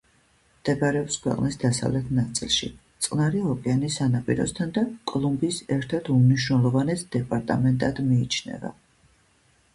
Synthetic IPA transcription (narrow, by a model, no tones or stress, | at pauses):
md̪̥ɛbɾɛɔpskʰwɛ̰qʼnisd̪asa̰vlɛt̪ʰnat̪sʼḭlˠʃḭt̪sʼqʼnaɾiɔkʼɛanisːanapʼḭɾɔ̰st̪ʰand̪akʼlˠumbisɛɾt̪ʰat̪ʰumniʃnɛlˠɔvanɛt̪ʰd̪̥ɛpʼaɾt̪ʼamɛnt̪ʼad̪miːt͡ʃʰnɛ̰va̰